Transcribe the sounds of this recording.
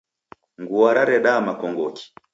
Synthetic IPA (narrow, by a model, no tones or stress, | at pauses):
ŋɡuaɾaɾɛɗaːmakɔŋɡɔki̥